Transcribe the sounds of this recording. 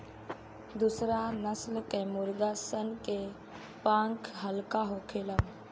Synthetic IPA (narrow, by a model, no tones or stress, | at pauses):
d̪ʊsɾanəslkɛ̃ːmʊɾɡ̪aːsənke | pãːŋkʰɦəlkaːɦokʰeːləm